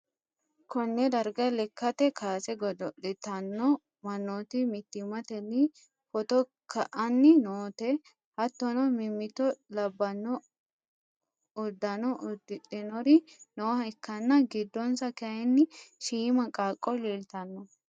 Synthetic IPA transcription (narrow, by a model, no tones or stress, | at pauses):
kʰɔnːɛd̪ɐɾɡɐlɛkːɐt̪ɛkʰaːsɛɡɔd̪ɔɗɪt̪ɐnːɔ | mɐnːoːt̪ɪmɪt̪ːɪmɐt̪ɛnːɪ | fɔt̪ɔ | kʰɐʔɐnːɪnoːt̪ɛ | hɐt̪ːɔnɔmɪmːɪt̪ɔlɐbːɐnːɔ | ʊd̪ːɐnɔʔʊd̪ɪᶑɪnɔɾɪnɔːɐɛkːɐnːɐɡɪd̪ːɔnsɐkɛɐɪnːɪʃiːmɐkʼaːkʼːɔlilt̪ɐnːɔ